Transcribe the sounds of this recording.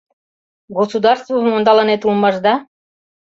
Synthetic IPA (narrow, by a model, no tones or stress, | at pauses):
ɡosud̪ɑrst̪vomond̪ɑlˠɑnet̪ulˠmɑʒd̪ɑ